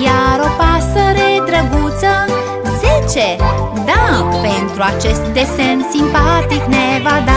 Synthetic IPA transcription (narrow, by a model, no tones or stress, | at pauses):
jaɾopasəɾed̪ɾəɡut̪sə | zet͡ʃe | d̪apent̪ɾuat͡ʃest̪̚d̪esensimpat̪iknevad̪a